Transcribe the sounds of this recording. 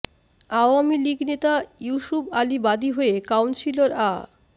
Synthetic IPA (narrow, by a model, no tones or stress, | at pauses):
aoamiliɡnet̪ajuʃubalibad̪iɦoekawnsiloɾa